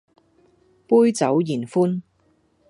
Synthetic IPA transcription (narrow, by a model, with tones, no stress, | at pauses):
puː˥jt͡sɐ˨˥wjiː˨˩nfuː˥n